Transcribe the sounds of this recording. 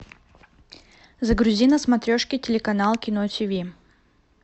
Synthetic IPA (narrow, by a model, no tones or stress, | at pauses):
zəɡɾʊzʲinəsmɐt̪ɾʲoʂkʲɪtʲɪlʲɪkɐnalˠkʲɪnotʲivʲi